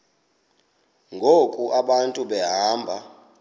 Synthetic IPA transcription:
ŋɡʱokʼuʔaɓantʼuɓɛɦaːmbʱa

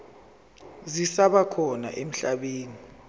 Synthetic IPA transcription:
zisaɓakʰɔna̰ʔem̩ɬaɓeːni

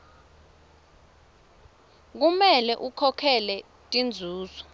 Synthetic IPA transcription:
k̬umɛlɛʔukʰɔkʰɛlɛ | tʼind͡zʱuːzɔ

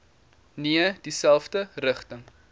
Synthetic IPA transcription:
niəd̥isælˠfdərəχtəŋ

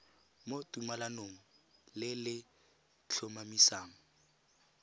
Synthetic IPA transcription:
motʼumalanoːŋ̩lɪlɪ | t͡ɬʰomamisaːŋ̩

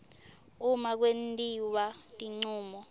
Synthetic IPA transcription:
umak̬wentʼiwatʼiŋ͡ǀuːmɔ

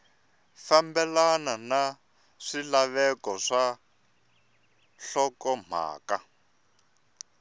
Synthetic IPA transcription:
fambɛlanana | ʂilaβɛkɔʂa | ɬɔkɔm̤a̰ːka

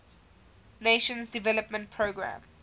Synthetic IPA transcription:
neʃə̃nzdivɛləpmə̃nt̚pʰɹoːɡɹã̰m

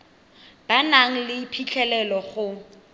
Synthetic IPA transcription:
b̥anaŋ̩lɪpʰit͡ɬʰɛlɛlɔχʊ

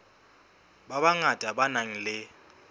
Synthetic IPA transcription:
baβaŋatʼabanaŋ̩lɪ

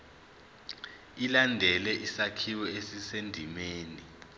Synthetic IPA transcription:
ilandʱɛlɛʔisakʰiwɔesisendʱimeːni

